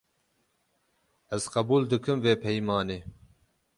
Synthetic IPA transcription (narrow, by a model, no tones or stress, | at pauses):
ɛzqɐbuːld̪ɨkʰɨmveːpʰɛjmɑːneː